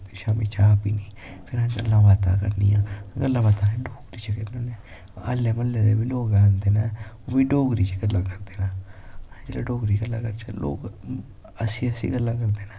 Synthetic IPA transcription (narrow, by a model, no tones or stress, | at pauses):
ʃaːmiːt͡ʃaːpiːniː | pʰɪɾãːəlːãːʋaːt̪a̰ːkə̰ɾniːãːɡəlːãːʋaːt̪ãːnẽɖoːɡɾiːt͡ʃekənoːneː | əlːeːməlːeːd̪ḛːbiloːkãːnd̪eːnãːoːbiːɖoːɡɾiːt͡ʃeɡəlːãːkəɾd̪eːnãːd͡ʒeːlaːɖoːɡɾiːɡəlːãːkəɾt͡ʃə̰lo̰ːk | əsĩːəsḭːɡəlːãːkəɾd̪eːnaː